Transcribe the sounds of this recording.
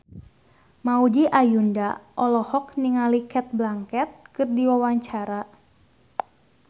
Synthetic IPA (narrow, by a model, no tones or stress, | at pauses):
maudiʔajundaʔɔlɔhɔk̚niŋalikɛt̪̚blaŋkɛt̪̚kɨrdiwawaɲt͡ʃaɾa